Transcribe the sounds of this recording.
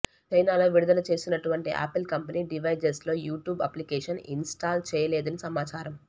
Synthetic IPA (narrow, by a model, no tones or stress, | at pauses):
t͡ʃɐjnaːlo̞ːʋiɽud̪ɐlɐt͡ʃe̞ːsinɐʈuʋɐɳʈiʔa̰ːpilkɐmpɐniːɖiʋɐjd͡ʒɐɾslo̞ːjuːʈjuːbɐ̰plikɛːʂɐnḭnsʈaːlt͡ʃɛːjɐleːd̪ɐnisɐmaːt͡ʃaːɾɐm